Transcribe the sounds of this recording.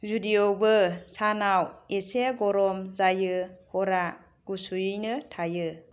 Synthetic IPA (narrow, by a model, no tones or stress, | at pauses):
zudiobɯsanaweseɡɔɾɔmzajɯhɔɾa | ɡ̥usujɯnɯtʰajɯ